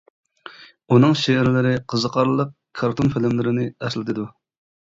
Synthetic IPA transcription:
unɨŋʃeæɾlɪɾɪqʰəzəqʰɑɾlˠəq̚ | kʰɑɾt̪ʰonfɪlɪmlɪɾɪnɪɛslɪt̪ʰɪd̪u

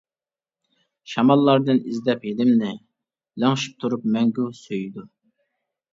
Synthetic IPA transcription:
ʃɑmɑlˠːɑɾd̪ɨnizd̪ɛphilɪmnɪ | lɑŋʃi̥p̚t̪ʰuɾupmɛŋɡʲusøjd̪u

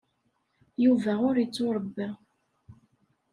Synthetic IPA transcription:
juvæʊɾit͡sːʊɾˤəbːæ

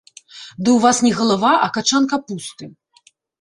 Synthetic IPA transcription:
d̪ɨwvasnʲɛɣɐlˠavaʔɐkat͡ʂankɐpust̪ɨ

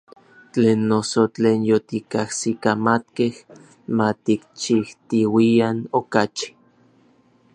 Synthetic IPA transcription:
t͡ɬeːnːosot͡ɬeːnjot̪ikahsikamat̪keh | mat̪ikt͡ʃiht̪iwianokat͡ʃi̥

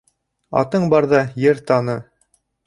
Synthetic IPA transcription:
ɑ̰t̪ɤɴbɑɾðɑjɘɾt̪ɑnɤ

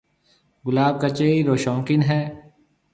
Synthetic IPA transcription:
ɡʊlaːb̚kat͡ʃeːiɾoːʃɔ̃ːŋkɪnɦɛː

